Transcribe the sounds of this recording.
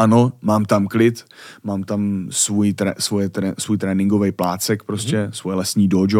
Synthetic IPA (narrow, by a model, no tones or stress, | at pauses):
ʔano̞maːmt̪amklɪt̪maːmt̪amsvujt̪ɾɛ̰svojɛt̪ɾɛsvuːjt̪ɾɛːnɪŋɡo̞vɛjplaːt͡sɛkpɾoscɛsvojɛlɛsɲiːdod͡ʒo